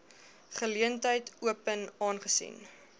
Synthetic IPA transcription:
χəliəntəjtʰuəpənɑːnχəsḭn

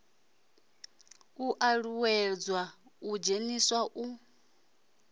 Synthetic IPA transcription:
uʔaɺuwɛd͡zwaud͡ʒeniswaʔu

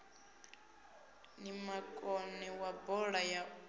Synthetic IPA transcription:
nimakʼɔnɛwabɔɺaja

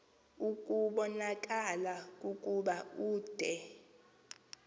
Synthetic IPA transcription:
ukʼuɓɔnak̬ʼalakʼukʼuɓauːd̥ʱɛ

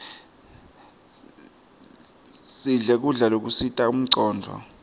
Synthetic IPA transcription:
siɮɛk̬uɮalok̬usitʼaum̩ǀɔːndʱɔ̰

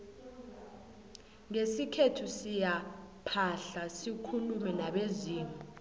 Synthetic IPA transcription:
ŋesikʰetʰusijapʰaɬasikʰulumɛnaɓeziːmu

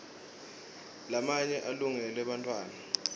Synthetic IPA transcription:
lamaɲɛʔaluŋɛlwɛɓantʼwaːna

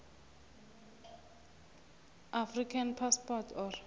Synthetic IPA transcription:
ʔafrikʰanpʰaspɔtʰɔr

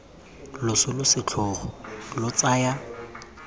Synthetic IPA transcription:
lʊsʊlʊsɪt͡ɬʰʊχɔlʊt͡saja

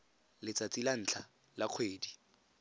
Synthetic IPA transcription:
lɪt͡sat͡silan̩ːt͡ɬʰa | laq͡χʰweːdi

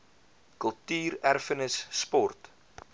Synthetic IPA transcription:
kəlˠtyːɾærfənəsːpɔrt

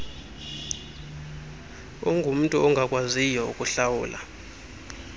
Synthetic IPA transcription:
ɔŋɡʱum̩tʼuɔŋɡʱakʼwazijɔṵkʼuɬawṵːlʔa̰

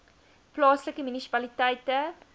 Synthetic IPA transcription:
plɑːsləkəmynisi̥pɐlitɛjtə

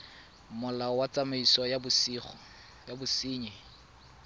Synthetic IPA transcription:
mʊlawat͡samaisɔjbʊsiːχɔ | jabʊsiːɲɛ

